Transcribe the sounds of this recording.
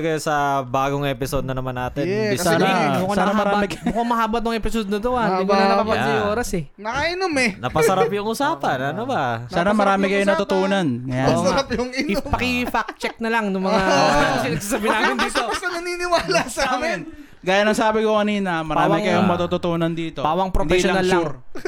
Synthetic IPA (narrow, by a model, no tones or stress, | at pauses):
ɡɐjosɐbaːɡoŋʔɛpɪsod̪̚nɐnɐmanːaːt̪ɛnɛɐsaːnbkɐsaːnɐmɐɾːamɪkbʊkamɐhaːbɐt̪nʊŋɛpɪsod̪nɐt̪oad̪iknɐɐpapɐɐjoːɾɐsɛ | nɐkaʔɪnomɛnɐpɐsɐɾapjʊŋʔʊsaːpɐnɐnobɐsaːnɐmɐɾaːmɪkɐjonɐt̪ʊt̪oːnɐnɐɾapjʊŋɪnompɐkɪfak̚t͡ʃɛk̚nɐlɐŋnʊŋmɐŋasɪsasabɪnaːmɪnd̪iːt̪opɐɐnɐninɪwaːlɐsɐaːmɪn | ɡaːjɐnɐŋsaːbɪkokɐniːnɐmɐɾaːmɪkɐjoŋmɐt̪ut̪ʊt̪oːnɐnd̪iːt̪opaːwɐŋpɾond̪ɛiʃlɐnallt͡ʃːʊɾ